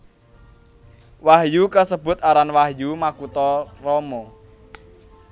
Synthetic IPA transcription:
wahjukəsəb̥ʊ̤t̪aɾanwahjumakut̪ɔrɔmɔ

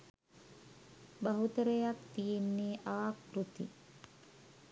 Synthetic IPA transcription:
baɦut̪əɾəjakt̪ijenːeːʔakɾut̪i

